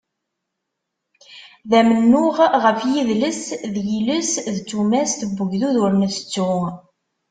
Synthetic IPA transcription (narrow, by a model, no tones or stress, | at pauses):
ðæmənːʊʁʁəfjiðləsðjiləsðt͡sːumæsθəbːəʝðuðʊɾnəst͡sːu